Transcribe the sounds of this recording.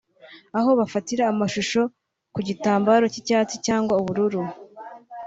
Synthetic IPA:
aɦo̞βafatiɾaːmaʃuʃo̞ | kuɟitaːmbaːɾo̞cicaːt͡sicaːŋɡwauβuɾuɾu

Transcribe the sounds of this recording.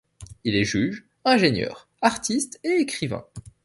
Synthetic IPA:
ilɛʒyʒ | ɛ̃ʒenjœ̰ːʁ | aʁt̪ist̪eekχivɛ̰̃

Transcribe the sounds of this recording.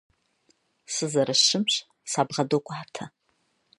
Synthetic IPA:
sɨzɐɾɐɕɪmɕʼ | saːbʁɐdokʷʼaːtʰɐ

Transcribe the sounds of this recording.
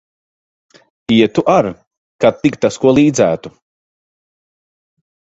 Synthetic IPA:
iɛt̪uʔaɾ | kat̪ːikt̪askuɔlˠiːd̪zæːt̪u

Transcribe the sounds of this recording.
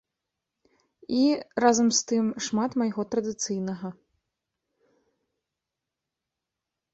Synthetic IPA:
irazɐmst̪ɨmʂmat̪mɐjɣɔt̪ɾɐd̪ɨt̪sɨjnɐɣɐ

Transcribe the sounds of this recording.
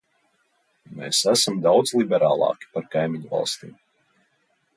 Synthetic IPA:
mḛːsæsamd̪awd̪zlˠibɛɾaːlˠɑ̰ːkʲi̥paɾkajmʲiɲvɑ̰lˠst̪ḭːm

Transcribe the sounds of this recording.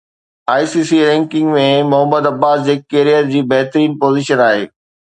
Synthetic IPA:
aːisiːsiɾɛ̃ːŋkɪ̃ŋɡmẽmʊɦəmːəd̪ɐbːaːsd͡ʑeːkeːɾijət̪d͡ʑiːbɐɦt̪ɾiːnpoːzɪʃənaːɦḛː

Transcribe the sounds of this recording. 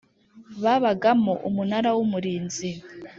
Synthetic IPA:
βaβaɡamoʔumunaɾawumuɾiːnzi

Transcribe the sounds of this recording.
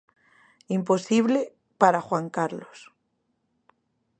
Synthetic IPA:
impo̞siβle | paɾaxwaŋkaɾlos

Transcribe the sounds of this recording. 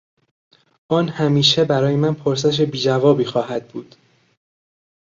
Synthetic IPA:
ʔɒːnhæmiːʃe̞bæɾɒːjemænpʰoɾs̬eʃ̬ebiːd͡ʒævɒːbiːxɒːɦæd̪̚buːd̪̥

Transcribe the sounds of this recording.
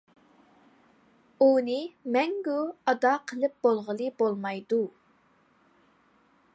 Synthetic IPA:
unɪmɛŋɡuɑd̪ɑqʰəlˠɨp̚b̥olˠʁəlˠɨbolˠmɑjd̪u

